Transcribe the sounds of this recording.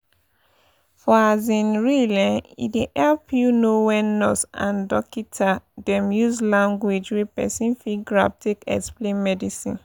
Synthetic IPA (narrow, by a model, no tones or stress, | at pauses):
fɔazĩnɹilɛ̃nḭdeʔɛlpjunowɛ̃nːɔsã̰ndɔkitʰadɛ̃mjuzlãŋɡwed͡ʒwepɛsĩnfiɡɹap̚tʰekɛ̰ksplẽnmɛdisḭ̃n